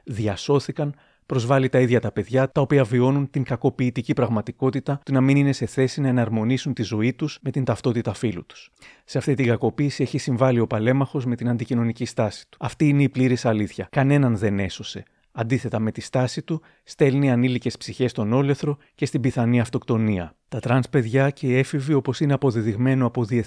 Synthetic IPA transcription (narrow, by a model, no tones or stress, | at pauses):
ðʝɐso̞θikɐn | pɾo̞zvɐlit̪ɐiðʝɐt̪ɐpe̞ðʝɐt̪ɐo̞piɐvio̞nunt̪iŋkɐko̞piːt̪icipɾɐɣmɐt̪iko̞t̪it̪ɐt̪unɐminine̞se̞θe̞sinɐe̞nɐɾmo̞nisunt̪izo̞it̪usme̞t̪int̪ɐft̪o̞t̪it̪ɐfilṵt̪u̥sseɐft̪it̪iŋɡɐko̞piːsie̞çisiɱvɐlio̞pɐle̞mɐxo̞zme̞t̪inɐnd̪icino̞nicist̪ɐsi̥t̪u̥ɐft̪iːne̞ipliɾisɐliθçɐkɐne̞nɐnðe̞ne̞so̞se̞ | ɐnd̪iθe̞t̪ɐme̞t̪ist̪ɐsit̪u | st̪e̞lniɐnilice̞spsiçe̞st̪o̞no̞le̞θɾo̞ | ce̞st̪ibiθɐniɐft̪o̞kt̪o̞niɐ̰t̪ɐt̪ɾɐnspe̞ðʝɐce̞ie̞fivio̞po̞sine̞ɐpo̞ðiðiɣme̞noɐpo̞ðie